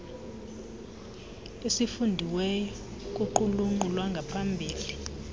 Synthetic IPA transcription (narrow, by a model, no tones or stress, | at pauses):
esifundʱiwɛjɔ | k̬ʼuǃuluŋ͡ǃulwaŋɡʱapʰambʱiːli